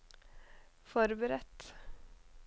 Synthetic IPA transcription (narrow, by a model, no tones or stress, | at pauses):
fɔɾbəɾɛt̪